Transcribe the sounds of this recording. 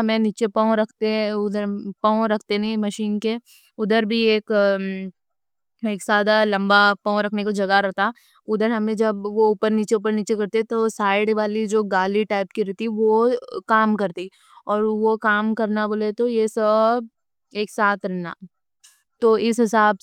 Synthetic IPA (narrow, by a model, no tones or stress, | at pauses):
ɦɐmẽniːt͡ʃepɐ̃ːɾɐkʰt̪eɦɛ̃ʊd̪əɾpɐ̃ːõɾɐkʰt̪enɐĩmɐʃiːnke | ʊd̪əɾbʱieːk | eːksaːd̪alɐ̃mbapɐ̃ːɾɐkʰnekod͡ʒɐɡaɾɐɦt̪a | ʊd̪əɾɦɐmẽd͡ʒɐbʋoʊːpəɾniːt͡ʃeuːpəɾniːt͡ʃekɐɾt̪eɛt̪osaːɪɽʋaːlid͡ʒoːɡaːliʈaːɪpkiɾɛɦt̪iʋokaːmkɐɾt̪i | ɔːɾʋokaːmkɐɾnaboːlet̪ojesɐb̚ | eːksaːt̪ɾɛɦna̰ː | t̪oɪsɦɪsaːb